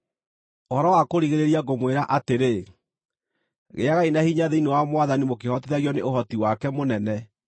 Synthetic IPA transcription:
ohɔɾɔwakoɾiɣeɾeɾiaɣomweɾaʔateɾe | ɣḛaɣainahiɲaðeinewamwaðanimok̬ehɔteðaɣjɔneoɦɔtiwakɛmonɛnɛ

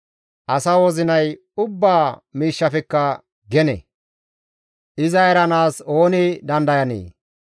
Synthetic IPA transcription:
ʔɐsɐwɔzɪnɐj | ʊbːaːmiːʃːɐfɛkːɐ | ɡɛnɛ̰ | ʔɪzɐjɐɾɐnaːso̞ːnɪd̪ɐnd̪ɐjɐnḛː

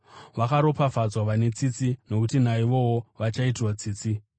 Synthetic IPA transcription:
ʋakaɾo̞pafad͡zwaʋane̞t͡sit͡sino̞kutinaiʋo̞woʋat͡ʃaitirwat͡siːt͡si

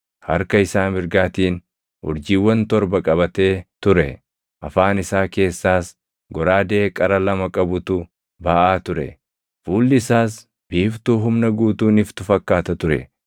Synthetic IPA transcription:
hɐ̰ɾkɐɪsaːmɪɾɡaːt̪iːn | hʊ̰ɾd͡ʒiːwːɐnt̪ɔɾbɐkʼɐbɐt̪e̞ːt̪ʊɾɛ | ʔɐfaːnɪsaːke̞ːsːaːs | ɡɔɾaːd̪e̞ːkʼɐɾɐlɐmɐkʼɐbʊt̪ʊ | baːʔaːt̪ʊɾɛ̰ | fuːlːɪːsaːs | biːft̪uːɦʊmnɐɡuːt̪uːnɪft̪ʊfɐkːaːt̪ɐt̪ʊɾɛ̰

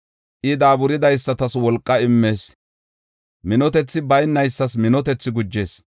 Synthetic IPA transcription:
ʔɪd̪aːbʊɾɪd̪ɐjsːɐt̪ɐswɔlkʼːɐɪmːeːs | mɪnɔt̪ɛt͡sːɪbɐjnːɐjsːɐsmɪnɔt̪ɛt͡sːɪɡʊd͡ʒːe̞ːs

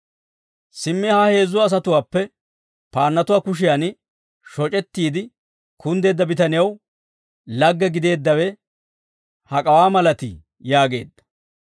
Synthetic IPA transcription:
sɪmːihɐhe̞ːzːʊwːs̬ɐt̪ʊwaːpːɛ | paːnːɐt̪ʊwaːkʊʃ̬ɪjan | ʃɔt͡ʃʼɛt̪ːiːd̪ɪ | kʰʊnd̪e̞ːd̪ːɐbɪt̪ɐnɪjɐw | lɐɡːɛɡɪd̪e̞ːd̪ːɐwɛ | hɐkʼɐwaːmɐlɐt̪ɪ̰ | jaːɡe̞ːd̪ːɐ̥

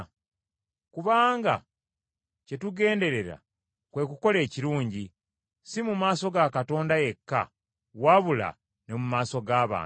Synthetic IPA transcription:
kuβaːŋɡa̰ | ce̞tuɡe̞ːnde̞ɾe̞ɾa̰ | kwe̞kuko̞le̞ːciɾuːɲɟi | simumaːso̞ɡakato̞ːndaje̞kːa̰ | waβula̰ | nemumaːso̞ɡaːβa̰ːn

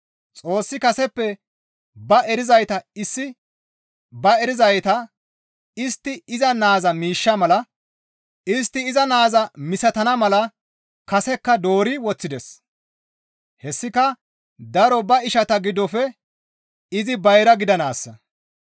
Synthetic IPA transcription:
t͡sʼo̞ːsːɪkɐsɛpːɛ | bɐɛɾɪzɐjt̪ɐɪsːɪ | bɐɛɾɪzɐjt̪ɐ | ɪst̪ːɪɪzɐnaːzɐmiːʃːɐmɐlɐ | ɪs̬t̪ːɪːzɐnaːzɐmɪsɐt̪ɐnɐmɐlɐ | kɐsɛkːɐd̪o̞ːɾɪwɔt͡sːɪd̪ɛs | hɛsːɪkɐ | d̪ɐɾɔbɐɪʃɐt̪ɐɡɪd̪ːɔfɛ | ɪzɪbɐjɾɐɡɪd̪ɐnaːsːɐ

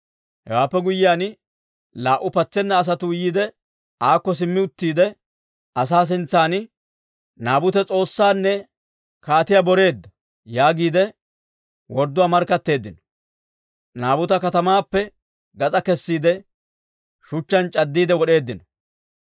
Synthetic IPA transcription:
hɛ̰waːpːɛɡʊjɪjaːn | laːʔːʊpɐt͡sːɛnːɐːs̬ɐt̪ʊjiːd̪ɛ | aːkːɔs̬ɪmːɪʊt̪ːiːd̪ɛ | ɐs̬aːs̬ɪnt͡sːaːnɪ | naːbʊt̪ɛt͡sʼo̞ːsːaːnːɛ | kaːt̪ɪjabɔɾe̞ːd̪ːɐ | jaːɡiːd̪ɛ | wɔɾd̪ːʊwaːmɐɾkːɐt̪ːe̞ːd̪ːɪnɔ̥ | naːbʊt̪ɐkɐt̪ɐmaːpːɛ | ɡɐt͡sʼɐkɛsːiːd̪ɛ | ʃʊt͡ʃːɐnt͡ʃʼɐd̪ːiːd̪ɛwɔɗe̞ːd̪ːɪnɔ

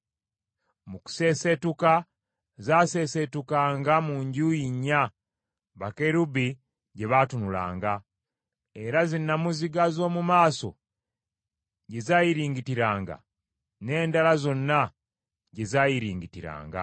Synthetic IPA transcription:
muku̥se̞se̞tuka | zaːse̞se̞tukaːŋɡamuɲɟuːjiɲːa | βakeɾubi | ɟe̞βatunula̰ːŋɡa | e̞ɾazinːamuziɡazo̞ːmumaːso̞̰ | ɟe̞zaːjiɾiːŋɡitiɾaːŋɡa̰ | ne̞ːndalazo̞nːa | ɟe̞zaːjiɾiːŋɡitiɾa̰ːŋɡa̰

